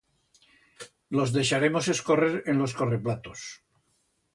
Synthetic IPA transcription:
lo̞zðe̞ʃaɾemo̞se̞sko̞reɾenlo̞skoreplat̪os

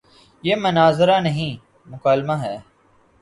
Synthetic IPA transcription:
jeːmənaːzɾaːnəɦĩː | mʊkaːlmaːɦɛː

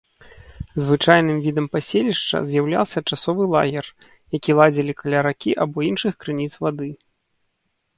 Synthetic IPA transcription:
zvɨt͡ʂajnɨmvʲid̪ɐmpasʲelʲiʂt͡ʂɐ̰zʲjawlʲa̰lˠsʲɐt͡ʂasɔvɨlˠa̰ɣʲɛr | jakʲilˠad͡zʲilʲikalʲaɾakʲiʔabɔinʂɨxkɾɨnʲit̪svad̪ɨ

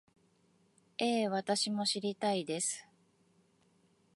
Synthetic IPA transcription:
e̞ːβat̪aɕimo̞ɕiɾʲit̪aid̪e̞sɨ̥

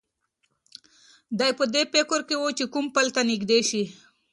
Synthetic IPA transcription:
d̪ajpəd̪epekʊɾkewot͡ʃekumpəlt̪anɪɡd̪eʃi

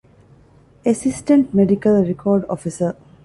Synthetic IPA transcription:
esisʈə̃ɳʈmeɖikəlɾekʰɔːɾɖɔ̰fisə

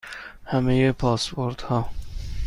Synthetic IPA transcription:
hæmejepʰɒːspoɾd̪hɒː

